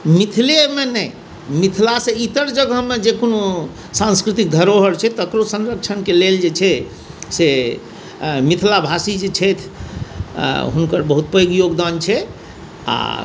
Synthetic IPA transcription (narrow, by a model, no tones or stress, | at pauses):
mit̪ʰilemenɛj | mit̪ʰilasẽit̪əɾd͡ʒəɡʱəmed͡ʒekono | sãnskɾit̪ik̚d̪ʱəɾoɦəɾt͡ʃʰɛt̪əkɾosənɾək̚t͡ʃʰənkeleld͡ʒet͡ʃʰɛ | se | mit̪ʰlabʱasid͡ʒet͡ʃʰɛt̪ʰ | ɦunkəɾbəɦut̪pəoɡjoɡd̪ant͡ʃʰɛ | a̰